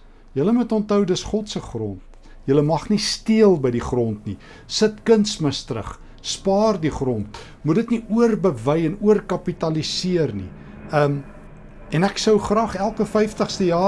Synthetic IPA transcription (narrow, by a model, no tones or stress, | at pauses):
jələmutɔntəwdəsχɔtsəχrɔnt̚ | jələmɐχnistiəlˠbəjdiχrɔntni | sətkənsməstrə̰χ | spɑːrdiχrɔnt | mudətniuərbəvɛjɛnuərkɐpitɐlisiərnḭ | əm | ɛnæksəwχrɑːχælˠkəfɛjftəχstəjɑː